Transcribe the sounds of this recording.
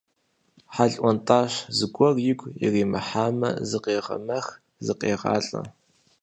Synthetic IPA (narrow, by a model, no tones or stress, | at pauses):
ħaɮʼʔʷɔntʼaːɕzɨɡʷɔrjɪɡʷjɪ̰riːmɨħaːmɐ̰zɨqeːʁɐ̰mɐx | zɨqeːʁɑ̰ːɬʼɐ̰